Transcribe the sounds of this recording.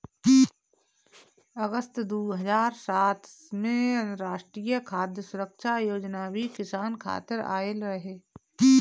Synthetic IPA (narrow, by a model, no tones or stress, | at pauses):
əɡəst̪d̪uːɦəzaːɾsaːt̪mẽə̃nɾaːʃʈɾiːjəkʰaːd̪jəsʊɾəkʃajoːd͡ʒnabʱikɪsaːnkʰa̰ːt̪ɪɾa̰ːelɾɐɦeː